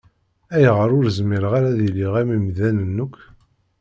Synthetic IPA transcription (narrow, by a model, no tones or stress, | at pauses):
æjʁəɾʊɾzmiɾʁaɾæðiliʁæmimðænənːʊkʷː